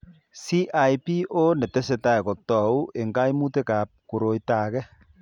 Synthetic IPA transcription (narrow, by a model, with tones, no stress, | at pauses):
si˦ʔa˨jpi˦ʔo˦nɛ˨tɛ˦sɛ˨ta˦jkɔ˨tɔ˨u˦ʔe˨ŋɡa˦jmu˦te˦kaː˨p̚ku˨ɾo˨jtaː˨kɛ